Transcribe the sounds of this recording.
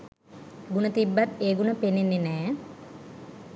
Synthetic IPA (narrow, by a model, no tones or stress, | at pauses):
ɡunət̪ibːat̪eːɡunəpenːenːenɛː